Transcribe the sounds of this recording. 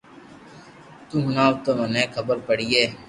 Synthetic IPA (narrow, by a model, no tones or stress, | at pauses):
t̪ũːɦʊnaːʋt̪omənẽːkʰəbəɾpəɽiːeː